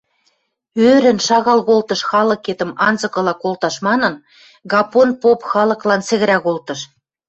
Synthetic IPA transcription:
øɾɘ̆nʃɑɣɑlɣolt̪ɤ̆ʃxɑlɤ̆ket̪ə̆mɑnzɤ̆kɤ̆lɑkolt̪ɑʃmɑnɤ̆n | ɣɑponpopxɑlɤ̆klɑnt͡sɘ̆ɣɘ̆ɾæɣolt̪ɤ̆ʃ

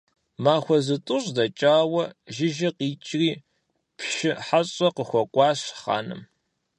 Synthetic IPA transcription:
maːxʷɔzɨtʼʊɕʼdɐt͡ʃʼaːwɐʒɪʒɐqiːt͡ʃʼriː | pʰʃʃɪħaɕʼɐqəxʷɔkʷʼɑːɕχa̰ːnɨ̰m

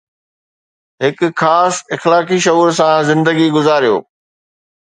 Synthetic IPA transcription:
ɦɪkʊ̆xaːsɪxlaːkiʃɐɦuːɾs̬ãzɪ̃nd̪əɡiɡʊzaːɾijo̰ː

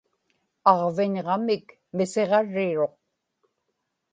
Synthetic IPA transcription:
ɑʁvɪɲʁɑmɪk | mɪse̞ʁɑɻːɪɻo̞q̚

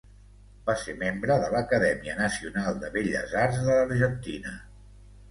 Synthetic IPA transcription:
baseɾmembɾəðələkəðɛmiənəsiunalˠd̪əβeʎə̰zaɾzðəəɾʒənt̪inə

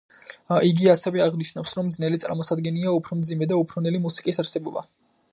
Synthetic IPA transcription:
iɡiasɛvɛaʁniʃnafsɾɔmːd̪znɛlit̪sʼaɾmɔsad̪ɡɛniaupʰɾɔmd̪zimɛd̪aupʰɾɔnɛlimusi̥kʼisaɾsɛbɔba̰

